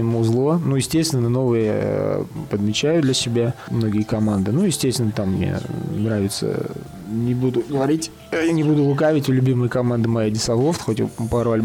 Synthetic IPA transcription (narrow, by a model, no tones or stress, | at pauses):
ɪmuzlˠonujɪsʲtʲest̪vʲɪnːəno̞vɨjəja̰pəd̪mʲɪt͡ɕæjʊd̪lʲəsʲɪbʲamno̞ɡʲɪjkɐmand̪ɨnujɪsʲtʲest̪ʲvʲɪnːət̪amːnʲḛnɾavʲɪt̪sə̰ | nʲɪbud̪ʊɡəvɐɾʲitʲ | janʲɪbud̪ʊlˠʊkavʲɪtʲʊlʲʊbʲiməjəkɐmand̪ɨmɐjadʲɪsɐlˠoft̪xo̞tʲpaɾɐlʲ